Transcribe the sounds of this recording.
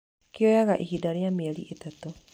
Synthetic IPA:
kjɔjaɣaʔiɦidaɾeamiɛliʔetat̪o

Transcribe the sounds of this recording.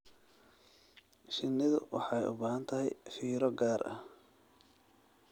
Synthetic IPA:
ʃɪnːɪðʊ̰wʔɑ̰ħɑjʔʊ̰baːhɐnt̪ʰɐɦɛ̰jfiːɾɔɡaːɾʔɐ̰h

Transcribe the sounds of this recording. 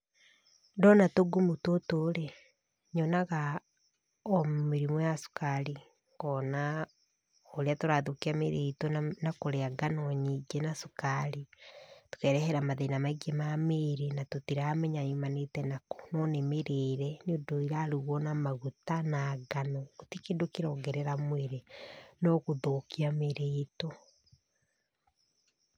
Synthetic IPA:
ndɔnatoɡumutotoɾe | ɲɔnaɣa | ɔmeɾimɔjasu̥kali | ŋɡɔna | oɾeatoɾaðukiameɾetɔnakoɾeaɡanoɲid͡ʒenasukaɾito̥kɛɾɛhɛɾamaðenamaiɡemameːɾenatotiɾamɛɲaimanetɛnako̥nɔnemeɾeːɾɛniondoiɾaɾuɣwɔnamaɣutanaɡanootikendokiɾɔːŋɡɛɾɛɾamweɾenɔɣoðokiameɾeto

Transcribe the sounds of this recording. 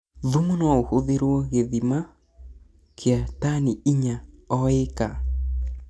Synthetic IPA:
ðumunaohoðeɾwɔɣeðima | kʰeataniiɲaɔeka

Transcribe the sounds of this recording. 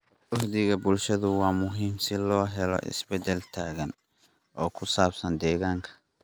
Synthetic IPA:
ʔʊhd̪ɪɣɐbʊlʃɐðʊwɑːmʊɦiːmsɪlɔːɦɛlɔ̰ʔɪ̰sbɛd̪ɛlt̪ʰaːɣɐn | ʔɔːkʰʊsaːbsɐnd̪ɛːɣaːŋkʰɐ̥

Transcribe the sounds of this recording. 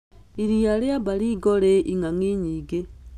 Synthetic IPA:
iɾijaleabaliɡoleʔiŋaŋiɲiɡe

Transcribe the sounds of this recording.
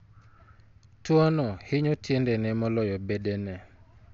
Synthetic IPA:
twɔnɔhɪɲɔtʰjendenɛmɔlɔjɔbedenɛ

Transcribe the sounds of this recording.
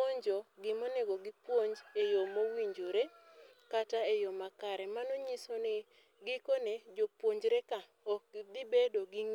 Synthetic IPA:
oɲd͡ʒoɡɪmoneɡoɡɪpwoɲd͡ʒejomowiɲd͡ʒoɾe | kataejomakaɾɛmanoɲisone | ɡɪkoned͡ʒopwoɲd͡ʒɾeka | ok̚d̪ɪbedoɡɪŋ

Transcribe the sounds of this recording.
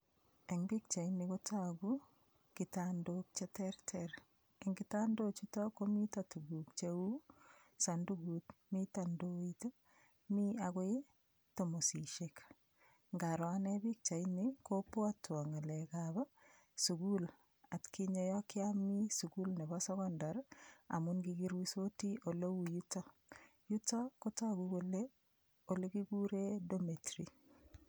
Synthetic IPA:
eŋbik̚t͡ʃainikotʰaɡu | kitandok̚t͡ʃɛtɛrtʰɛr | eŋɡitandot͡ʃutɔkomitatuɡuk̚t͡ʃeu | sanduɡutmitandoito | miaɣoe | tomosiʃek | ŋɡaɾwanɛbik̚t͡ʃainikopoatwaŋalekaβa | suɡul | atkiɲojɔkɪamisuɡulnebasoɡɔndaɾa̰munɡiɡiɾwisotiʔolowujuto | jutakotaɡuɡole | oleɡiɡuɾedometɾi

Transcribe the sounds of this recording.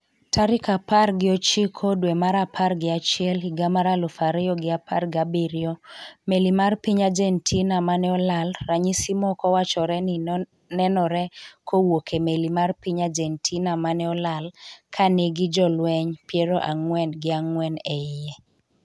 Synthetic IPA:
tʰaɾɪkaparɡɪɔt͡ʃikʰodwɛmaɾapʰarɡɪat͡ʃɪɛliɡamaɾalɔfaɾɛjɔɡɪapa̰rɡabiɾjɔmelimarpiɲad͡ʒɛntʰinamanɛɔlalːaɲisimɔkɔwat͡ʃɔɾɛnɪ | nɛnɔɾɛkʰowokʰemelimarpiɲad͡ʒɛntʰinamanɛɔlalkʰaneɡɪd͡ʒɔlwɛɲpjɛɾoʔaŋwɛnɡɪaŋwɛnɛɪɛ

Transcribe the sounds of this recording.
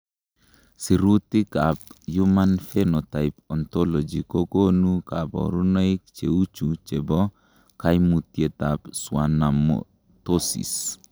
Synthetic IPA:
siɾut̪ikap̚jumanfenɔt̪ajpɔnt̪ɔlɔd͡ʒikokonukabɔ̰ɾunoik̚t͡ʃeut͡ʃut͡ʃɛbɔ | kajmut̪jet̪apswanamo̰ | t̪osḭs

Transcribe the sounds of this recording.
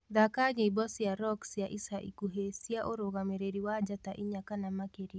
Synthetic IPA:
d̪akaɲeibɔsjaɾɔksjaʔisaʔḭkuɦesiaʔoɾoɣamɛɾeɾiwad͡ʒat̪aʔiɲakanamakeɾi

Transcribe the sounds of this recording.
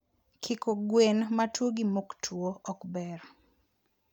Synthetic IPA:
kʰɪkoɡwenmatwoɡimoktʰwoɔkbɛr

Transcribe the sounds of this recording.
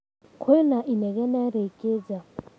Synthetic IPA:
kʰwɛnaʔinɛɣɛnaɾekʼed͡za

